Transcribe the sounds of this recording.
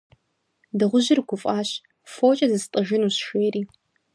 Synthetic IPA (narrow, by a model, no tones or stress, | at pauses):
dɨʁʷʊʑɪrɡʷʰʊfʼaːɕ | foːt͡ʃʼɐzɨstʼɨʒɪnuːɕʃeːɾiː